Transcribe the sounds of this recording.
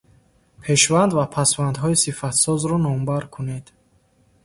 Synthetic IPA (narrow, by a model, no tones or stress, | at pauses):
pʰe̞ʃvand̪vapʰasvand̪ɦɔisifat̪sɔzɾɔnɔmbaɾkʰune̞d̪